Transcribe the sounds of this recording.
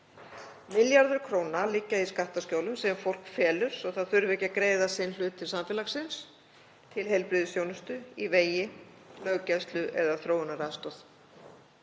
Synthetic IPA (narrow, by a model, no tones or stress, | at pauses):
mɪljaɾðʏɾ̥kʰɾoːwnalɪcːaiskaht̪ascoːwlʏmsɛmfowl̥kfɛːlʏɾ̥sɔθaðθʏɾvɛcakɾeːjðasɪnl̥ʏːt̪ʰːɪlsamfɪːlaxsɪns | t̪ʰɪlɦejlpɾiːðʏsjownʏst̪ʏiveːjɪ | lœːɣcɛst̪lʏʔɛðaθɾoːwʏnaɾaðst̪ɔθ